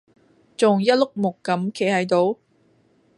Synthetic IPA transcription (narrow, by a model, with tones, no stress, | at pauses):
t͡sʊ˨ŋjɐ˥t̚lʊ˥k̚mʊ˨˩kːɐ˨˥mkʰe˨˥jhɐ˨˥jt̪o˨˥w